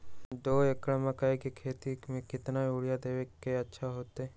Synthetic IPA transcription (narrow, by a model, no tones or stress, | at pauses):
d̪oːekɽməkaikekʰeːt̪imẽkɪt̪nauɽjad̪eːʋekːeɐtːʃʰaɦoːt̪e